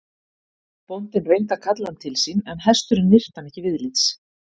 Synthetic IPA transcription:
pɔnt̪ɪnvejnt̪akʰat̪lant̪ʰɪlsiːnɛnɦɛst̪ʏɾɪnːɪr̥t̪anɛhcːɪvɪðliːt̪s

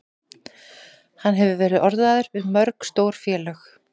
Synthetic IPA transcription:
hanːɦɛvʏvɛːɾɪðɔɾðaðʏɾvɪðmœɾkst̪oːwɾ̥fjɛːlœx

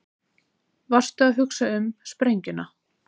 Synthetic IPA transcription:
var̥st̪ʏaðɦʏksaʏmspɾejɲcʏna

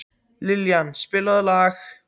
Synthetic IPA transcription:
liljænsb̥elɐðˠlɑːɡ

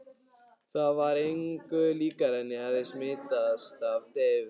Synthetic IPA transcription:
θaðvaɾejŋkʏliːkaɾɛnːɪhaððɪsmɪːt̪ast̪avt̪ɛːvʏ

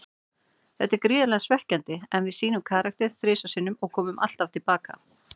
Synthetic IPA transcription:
θɛt̪ɛɾkɾiːðʏlɛɣasvɛhcant̪ɪɛnvɪðsiːnʏmkʰaːɾak̚t̪ɛɾ̥fɾɪːsasɪnːʏmɔɣkʰɔːmʏmʔa̰l̥t̪aft̪ʰɪlpaːka̰

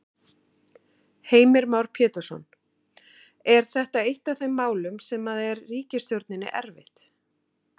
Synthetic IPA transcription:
heːjmɪɾmawɾ̥pʰjɛːt̪ʏɾ̥sɔ̰n | ɛɾ̥θɛht̪aejht̪avθejmːaːwlʏmsɛmaðɛɾːiːcɪst̪jowɾt̪nɪnːɪ̰ʔɛ̰ɾvɪ̰ht̪

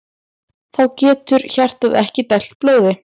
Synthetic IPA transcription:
θawcɛːt̪ʏɾçar̥t̪aðɛhcɪt̪ɛl̥t̪̚ploːwðɪ

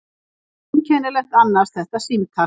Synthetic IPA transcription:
mcʰɛːnɪɾlɛht̪anːaɾsθɛht̪asimt̪ʰa

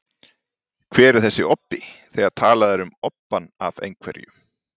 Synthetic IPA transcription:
kʰvɛːɾɪɾ̥θɛsːɪɔpːɪθɛɣaɾ̥t̪ʰaːlaðɛɾʏmɔpːana̰vḛjŋkʰvɛ̰ɾjʏ̰

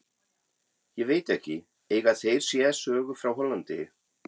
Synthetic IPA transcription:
jɛveːjt̪ɛhcɪ | eːjɣaðθejɾ̥sjɛsœːɣʏfɾawɦɔlːant̪ɪ

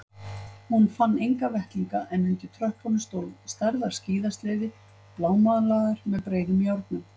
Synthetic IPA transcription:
hunfanːejŋkavɛht̪liŋkaʔɛnːʏnt̪ɪt̪ʰɾœhpʰɔnʏst̪oːwlvst̪aɾðaɾ̥sciːðast̪leːjðɪ | plaːwmaːðalaːɣaɾ̥mɛðpɾeːjðʏmjawɾk̪nʏm

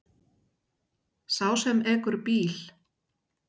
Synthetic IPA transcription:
saːwsɛmɛːkʏɾpiːl̥

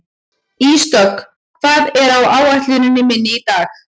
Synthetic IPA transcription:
ist̪ɔk | kʰv̥aːðɛɾawaːwaht̪lʏnʏnɪmɪnːɪit̪aːx

